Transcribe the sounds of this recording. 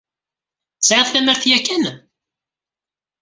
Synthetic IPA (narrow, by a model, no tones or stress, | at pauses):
t͡sːʕaðˤθæməɾθjækːæn